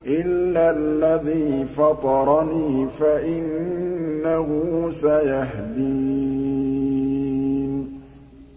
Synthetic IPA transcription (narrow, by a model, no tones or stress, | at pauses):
ʔɪlːalːaðiːfɑt̪ˤɑɾˤɑniːfaʔɪnː | aɦʊsajaɦd̪i | n